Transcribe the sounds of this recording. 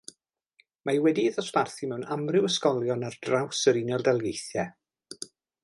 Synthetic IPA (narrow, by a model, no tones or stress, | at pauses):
mawɛdiðɔsparθimɛwnamrɪwəskɔlˠjɔnardrawsəɾɪnɔlˠdɛlˠɡejθjɛ